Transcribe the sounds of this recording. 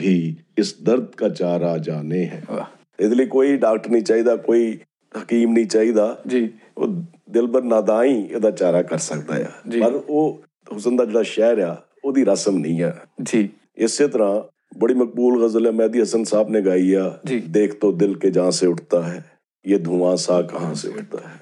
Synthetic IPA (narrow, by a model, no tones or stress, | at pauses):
bʱiː | ɪsd̪əɾd̪̚kaːt͡ʃaːɾaːd͡ʒaːneːɦɛː | ɪsliːkoːiɖaːk̚ʈəɾnĩːt͡ʃaːɦiːd̪aːkoːiː | həkiːmnəĩːt͡ʃaːɦiːd̪aːd͡ʒiː | o̰ː | d̪ɪlbəɾnãːd̪ãːĩːeːd̪aːt͡ʃaːɾaːkəɾsəkd̪a̰ːja̰ːd͡ʒpəɾoː | ɦʊsənd̪aːd͡ʒeːɽaːʃɛːɾɛː | oːd̪iːɾasəmnəĩːɛːd͡ʒi | ɪsːeːt̪əɾãː | bəɽiːmək̚buːlɣəzəlɛːmɛ̃ːd̪iːɦəsənsaːbneːɡaːiaːd͡ʒiːd̪eːkʰt̪oːd̪ɪlked͡ʒaãːseʊʈʰt̪aːɦɛː | jeːd̪ʱũːãːsaːkəɦãːsḛːʊ̰ʈʰt̪a̰ːɦɛɛː